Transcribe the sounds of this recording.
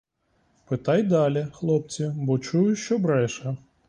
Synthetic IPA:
pɪt̪ɑjd̪ɑlʲixlˠɔp̚t͡sʲibɔt͡ʃujʊʃt͡ʃɔbɾɛʃɐ

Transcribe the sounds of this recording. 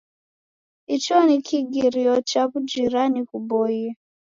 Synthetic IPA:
it͡ʃɔnikʰiɡiɾiɔt͡ʃaβud͡ʒiɾanikubɔ

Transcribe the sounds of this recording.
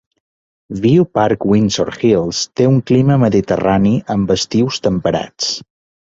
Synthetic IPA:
βiupaɾkwinso̰ɾxilˠst̪euŋkliməməðit̪əraniʔəmbəst̪iwst̪əmpəɾa̰t͡s

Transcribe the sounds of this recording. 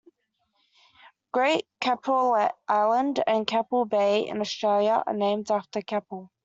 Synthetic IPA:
ɡ̥ɹeɪʔkʰapʰəlʔaɪlə̃ndə̃nkʰapəlˠbeɪɪ̰̃nəstɹ̥eɪljəʔə̰nẽɪ̃mdaftəkʰɛpəlˠ

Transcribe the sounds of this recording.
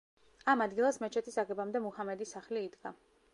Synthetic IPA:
amad̪ɡilˠasmɛt͡ʃʰɛt̪ʰisaɡɛbamd̪ɛmuhamɛd̪isaχliːd̪ɡa

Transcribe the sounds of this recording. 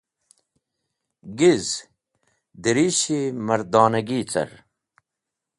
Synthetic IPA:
ɡiz | d̪iɾiːɕimɐɾd̪aːnɐɡiːt͡sɐ̰ɾ

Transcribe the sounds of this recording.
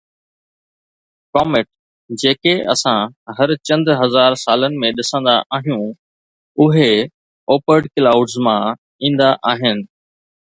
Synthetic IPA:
kɔːmɪʈ | d͡ʑeːkeʔɐ̰sãɦɐɾt͡ɕɐ̃nd̪ɦɐzaːɾsaːlənɪ̆mẽɗɪsə̃nd̪aʔaːɦijũ | ʊɦe | oːpəɾɖklaːʊɖzmã | ĩːn̆d̪aʔaːɦɪnɪ̆

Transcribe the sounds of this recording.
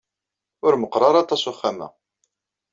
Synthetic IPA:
ʊɾməqɾˤɑɾˤɑt̪ˤːɑsʊχːæmæ̰

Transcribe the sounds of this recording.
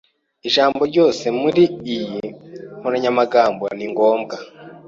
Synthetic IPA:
iʒaːmbo̞ɾɟo̞ːse̞muɾiːjihonaɲamaɡaːmbo̰niŋɡo̞ːmɡa

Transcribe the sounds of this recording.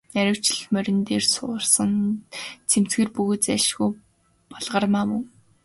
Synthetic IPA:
æɾʲɪ̆w̥t͡ɕɪ̆ɮ̆xmœɾʲɪ̆nt̪eːrsʊːrsə̆ŋ | t͡sʰem̥t͡sɡeːrpuɣoːt̪t͡sæʃɣuj | pɔɮʁə̆rmaːmɵŋ

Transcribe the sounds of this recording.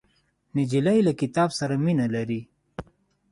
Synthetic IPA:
nɪd͡ʒilajlakɪt̪ɑbsaɾaminalaɾi

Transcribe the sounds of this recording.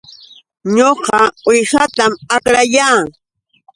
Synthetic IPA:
ɲoqɑojʃat̪amakɾajaː

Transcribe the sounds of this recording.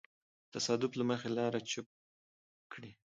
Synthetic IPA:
t̪asɑd̪ʊblaməxelɑɾat͡ʃʊ | kɽi

